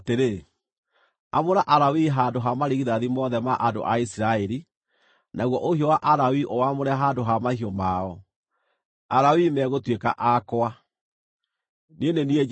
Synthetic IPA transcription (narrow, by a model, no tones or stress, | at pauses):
teɾe | amoɾaʔaɾawiɦaːndoɦamaɾiɣiðaðimɔðɛmaʔando̰ʔaisiɾaɛɾi | naɣwɔʔohiɔwaʔaɾawiʔɔwamoɾɛaɦaːndoɦamahiɔmaɔ | aɾawimɛɣotweka̰ʔakoa | nenenie